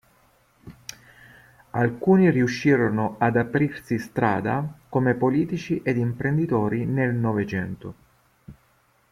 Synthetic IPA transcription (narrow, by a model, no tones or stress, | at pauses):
alkuːniriuʃːiːɾonoad̪apɾirsist̪ɾa̰ːd̪a̰komepoliːt̪it͡ʃiʔed̪impɾend̪it̪oːɾinelnɔvet͡ʃɛnt̪o